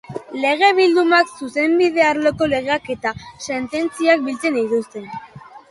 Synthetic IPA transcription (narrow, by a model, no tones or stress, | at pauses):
le̞ɣ̞e̞β̞ild̪umaksuse̞mbiðe̞aɾloko̞le̞ɣeake̞t̪ase̞nt̪e̞nt͡siak̚bilt͡se̞nit̪ust̪e̞n